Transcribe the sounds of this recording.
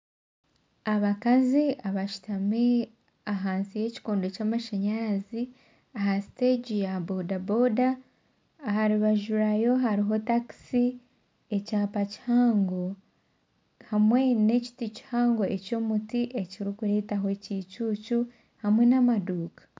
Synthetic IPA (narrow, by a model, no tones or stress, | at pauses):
aβakaziaβaʃu̥tami | aɦaːnsije̞ci̥koːndocaːmaʃeɲaːzi | aɦasi̥teɟijabodabodaː | haɾiβaʒuɾajo̞ɦaɾiɦo̞taki̥si | e̞caːpaci̥haːŋɡo̞ | hamwe̞ne̞ci̥tici̥haːŋɡo̞ʔe̞co̞mutiʔe̞ciɾikuɾe̞taɦoecit͡ʃuːcu | hamwe̞namaduːkḁ